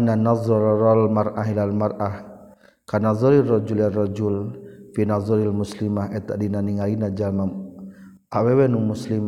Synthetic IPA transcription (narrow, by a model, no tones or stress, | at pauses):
ananazˤɔɾɾalmarʔaɦilalmarʔah | kanazˤɔɾirɔd͡ʒularɔd͡ʒulfinazˤɔɾialmuslimahʔɛt̪aʔdinaniŋalinad͡ʒalma | ʔawɛwɛnumuslim